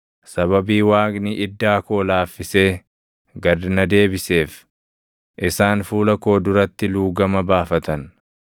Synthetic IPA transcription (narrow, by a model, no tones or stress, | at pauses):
sɐβɐbiːwaːɡniʔɪd̪ːaːko̞ːlaːfːɪse̞ː | ɡɐd̪nɐd̪e̞ːbɪse̞ːf | ʔɪsaːnfuːlɐko̞ːd̪ʊɾɐt̪ːɪluːɡɐmɐbaːfɐt̪ɐn